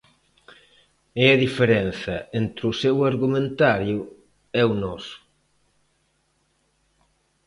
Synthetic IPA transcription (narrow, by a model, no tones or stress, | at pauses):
eaðifeɾɛnθɐent̪ɾusɛwaɾɣumẽnt̪aɾju | ɛunɔsu̥